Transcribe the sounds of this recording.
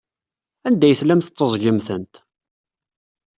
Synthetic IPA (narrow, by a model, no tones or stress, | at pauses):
ænd̪æjəθlæmθət͡sˤːəzˤʝəmθənt̪